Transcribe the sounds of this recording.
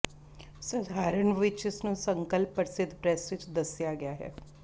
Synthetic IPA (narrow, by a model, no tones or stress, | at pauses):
səd̪ʱaːɾəɳʋɪt͡ʃɪsnũːsəŋkəlpːəɾsɪd̪ʱːpɾɛsʋɪt͡ʃd̪əsjaːɡɪjaːɦɛ̰ː